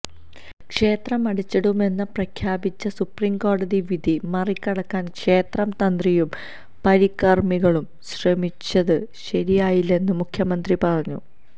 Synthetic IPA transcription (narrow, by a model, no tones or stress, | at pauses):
kʂe̞ːt̪rɐmɐɽit͡ɕːɐɽume̞nːɐprɐkʰjaːbit͡ɕːɐsupriːmko̞ːɽɐðiʋid̪ʱimɐrikʲːɐɽɐkːaːnkʂe̞ːt̪rɐmt̪ɐnd̪rijum | pɐɾikːɐrmiɣɐɭum | ɕrɐmit͡ɕːɐðɨɕɐɾijaːjilːe̞nːɨmukʰjɐmɐnd̪ripɐrɐɲːṵ